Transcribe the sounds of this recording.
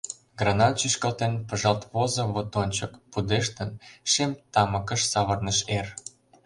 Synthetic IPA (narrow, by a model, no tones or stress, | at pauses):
ɡrɑnɑnt͡ɕyʃkəlt̪enpə̆ʒɑlt̪βozŏβot̪onʲt͡ɕə̆kpud̪eʃt̪ənʃemt̪ɑmə̆kə̆ʃsɑβərnəʃer